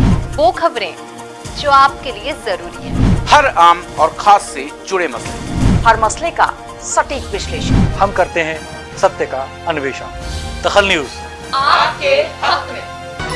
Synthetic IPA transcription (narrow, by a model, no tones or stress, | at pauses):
ʋoːkʰɐbɾẽ | d͡ʒoːaːp̚keliezɐɾuːɾiɦɛ̰ːhɐɾaːmɔːɾxʰaːsːed͡ʒʊɽemɐslḛhɐɾmɐsleka̰ | sɐʈiːkʋɪʃleːʃə̰nhɐmkɐɾt̪eɦɛ̃ | sɐt̪jəka | ɐnʊʋeːʃənd̪̥ɐxəlnjuːz | aːkea